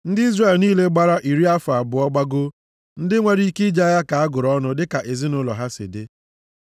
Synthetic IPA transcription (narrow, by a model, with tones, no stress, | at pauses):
n̩˦dɪ˦i˦zre˨lniː˦le˦ɡ͡ba˦ɾa˦ʔi˨ɾi˦a˦fa˨bʊ˨ɔ˦ɡ͡ba˦ɡʊ˦ | n̩˦dɪ˦ŋʷe˦ɾi˦i˦ke˦d͡ʒa˦ja˦ka˨a˦ɡʊ˨ɾɔ˦nʊ˦dɪ˦ka˨ʔe˨zi˦nʊ˦lɔ̰˨ɦa˦sḛ˨de˦